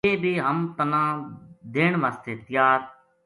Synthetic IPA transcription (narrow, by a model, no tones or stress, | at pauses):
eːbiːɦəmt̪ənãːd̪eːɳ̃ʋaːst̪eːt̪ɪjaːt̪̚